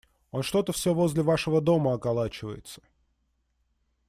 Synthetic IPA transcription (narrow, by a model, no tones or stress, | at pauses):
o̞nʂt̪o̞t̪əfsʲovo̞zʲlʲɪvaʂɨvəd̪o̞məɐkalˠat͡ɕɪvə̰jɪ̰t̪sə̥